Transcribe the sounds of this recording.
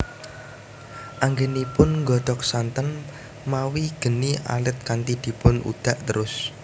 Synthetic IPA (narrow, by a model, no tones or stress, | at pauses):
ʔaŋɡenipʊnŋɡɔd̪̥ɔk̚sant̪ən | mawiɡ̥ə̤niʔa̰lɪt̪̚kant̪id̪̥i̤pʊnṵd̪̥a̤ʔt̪əɾʊs